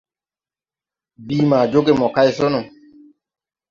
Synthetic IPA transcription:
biː˦ma˨d͡ʒo˦ke˦mɔ˨ka˦jsɔ˦nɔ˨

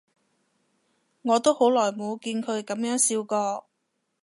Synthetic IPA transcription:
ŋɔː˨˧t̪o˥who˨˥wlɔː˨˩jmo˨˧wkiː˧nkʰɵ˨˧ɥkɐ˨˥mjœː˨˥ŋsiː˧wkɔː˧

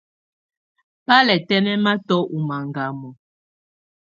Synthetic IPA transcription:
pa˦lɛ˨tɛ˦nɛ˦ma˦tɔ˦ʔu˨ma˨ŋɡa˨mɔ˨

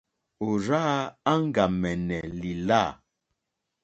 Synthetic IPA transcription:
o˨ɾa˦a˦ŋ˦ɡa˨mɛ˨nɛ˨li˨la˦˨

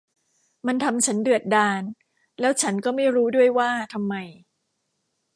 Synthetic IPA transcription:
ma˧nt̪ʰa˧mt͡ɕʰa˦˥ndɯ˨˩ət̪̚daː˧n | lɛː˦˥wt͡ɕʰa˦˥nkɔː˥˩ma˥˩jɾuː˦˥du˥˩əjwaː˥˩t̪ʰa˧mːa˧j

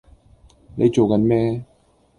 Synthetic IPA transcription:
ne˨˧jt͡ʃo˨˩wka˨˧nmɛː˥

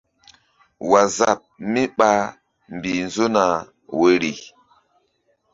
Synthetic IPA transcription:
wa˨za˨p̚mi˦ɓa˦ | m˨bi˨n˦zo˦na˨ | we˨ɾi˨

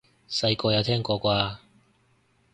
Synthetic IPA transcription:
sɐ˧jkɔː˧jɐ˨˧wt̪ʰɛː˥ŋkɔː˧kʷaː˧

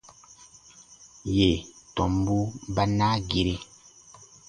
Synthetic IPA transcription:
je˨tɔ˨mbu˦ba˦na˦ɡi˦ɾe˦

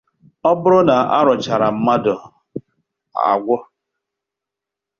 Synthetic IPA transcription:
ɔ˦bʊ˦ɾʊ˦na˨a̰˦ɾʊ˨t͡ʃa˨ɾa˨m̩˦ma˦dɔ˨ | a̰˨ɡʷɔ˦

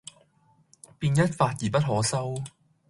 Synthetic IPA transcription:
piː˧njɐ˥t̚faː˧t̚jiː˨˩pɐ˥t̚ɦɔː˨˥sɐ˥w

